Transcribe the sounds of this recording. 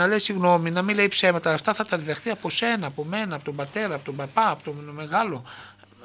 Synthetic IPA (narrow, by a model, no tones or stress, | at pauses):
ɐle̞siɣno̞minɐmile̞ipse̞mɐt̪ɐːft̪ɐθɐt̪ɐðiðɐxθiɐpo̞se̞nɐːpo̞me̞nɐːpo̞t̪o̞mbɐt̪e̞ɾɐːpo̞t̪obɐpɐːpot̪ome̞ɣɐlo̞